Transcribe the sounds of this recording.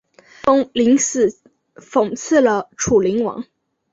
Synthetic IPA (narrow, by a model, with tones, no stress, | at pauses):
fo˥ŋli˧˥ŋsɹ̩˨˩ | fo˨˩ŋt͡sʰɹ̩˥˩lə˩ʈ͡ʂʰu˨˩li˧˥ŋwɑ̰˧˥ŋ